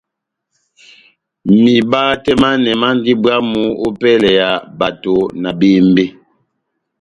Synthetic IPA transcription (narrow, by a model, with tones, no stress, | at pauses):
mi˨ba˦tɛ˦ma˦nɛ˨ma˦n˦di˦ba˦mu˦o˦pɛ˦lɛ˨ja˨ba˨to˨na˨beː˦m˦be˦